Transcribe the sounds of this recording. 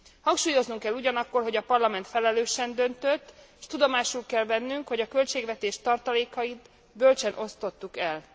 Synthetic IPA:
hɒŋkʃuːjo̞znuŋkɛlːuɟɒnɒkːo̞rɦo̞ɟɒpɒrlɒmɛnt̪fɛlɛløːʃɛnd̪ø̞nt̪øt̪ː | ʃt̪ud̪o̞maːʃulkɛlvɛnːyŋkho̞ɟɒkø̞lt͡ʃeːɡʋɛt̪eːʃt̪ɒrt̪ɒleːkɒjit̪ | bølt͡ʃɛnʔo̞st̪o̞t̪ːukɛl

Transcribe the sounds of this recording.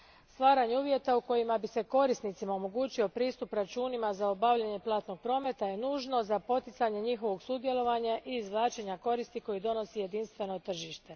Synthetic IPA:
st̪ʋaːɾaɲeuːʋje̞t̪auko̞jimabise̞ko̞ɾisnit̪simao̞mo̞ɡuːt͡ɕio̞pɾiːst̪upɾat͡ʃuːnimazaobaʋʎeɲe̞plˠaːt̪no̞ɡ̥̚pɾo̞ːme̞t̪aje̞nuːʒno̞zapo̞t̪it̪saɲe̞ɲixo̞ʋo̞ɡsuːd̪je̞lo̞ʋaɲaʔiːzʋlaːt͡ʃe̞ɲako̞ɾist̪iko̞jid̪o̞no̞sije̞d̪inst̪ʋe̞no̞t̪r̩ʒiʃt̪e̞

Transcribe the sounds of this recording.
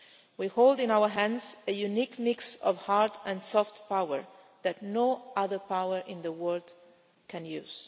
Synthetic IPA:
wihold̪ɪ̃nawə˞ɦæ̃nzəjunikmiksɔ̰vhaɹtɛ̃nsɔft̪pawə̰ɹ | ðæt̪noʌðəɹpawəɹʔɪ̃nðəwɜɹd̪ | kʰɛ̃njṵːz̥

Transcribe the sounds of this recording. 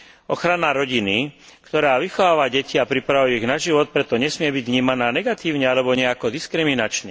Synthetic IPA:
ɔxɾanaɾɔɟinikt̪ɔɾaːʋixɔʋaːʋaɟɛciapɾipɾaʋujiɣnaʒiʋɔt̪̚pɾɛt̪ɔɲɛsmɪɛbiɟʋɲiːmanaːnɛɡat̪iːʊɲɛalɛbɔɲɛakɔd̪iskɾiminat͡ʃɲɛ

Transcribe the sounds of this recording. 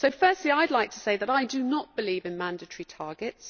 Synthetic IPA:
səʊfɜˑstˡliaɪdˡlaɪk̚tʰə̥seɪðəɾaɪdənəʔ̚b̥ɪliːvɪ̃nmãndətəɹ̥itʰɑːɡɪts

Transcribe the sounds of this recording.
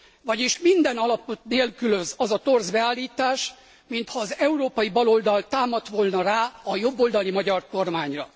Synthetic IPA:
vɒɟiʃmind̪ɛnɒlɒpot̪neːlkyløzɒzɒt̪o̞rzbɛaːlːiːt̪aːʃ | mint̪hɒːzɛuɾoːpɒjibɒlo̞ld̪ɒlt̪aːmɒt̪ʋolnɒraːɒjo̞bːo̞ld̪ɒlimɒɟɒrko̞rmaːɲrɒ

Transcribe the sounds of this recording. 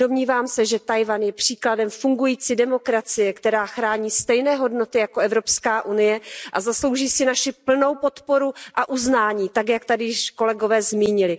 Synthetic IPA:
do̞mɲiːvaːmsɛʒɛt̪ajvanjɛpr̝̥iːkladɛmfuŋɡujiːt͡sidɛmo̞kɾat͡sɪjɛkt̪ɛɾaːxɾaːɲiːst̪ɛjnɛːɦo̞dno̞t̪ɪjakoɛvɾo̞pskaːʔunɪjɛʔazaslo̞wʒiːsɪnaʃɪpl̩no̞wpo̞t̪po̞ɾuʔaʔuznaːɲiːt̪akjak̚t̪adɪʃko̞lɛɡo̞vɛːzmiːɲɪlɪ

